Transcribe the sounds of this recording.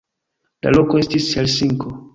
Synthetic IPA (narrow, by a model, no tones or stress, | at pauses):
la̰lokoestishelsiŋkʰo